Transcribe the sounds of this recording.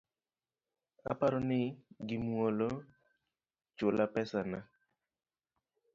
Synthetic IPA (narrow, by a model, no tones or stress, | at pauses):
a̰paɾɔnɪɡɪmwɔlɔ | t͡ʃolʔapɛsana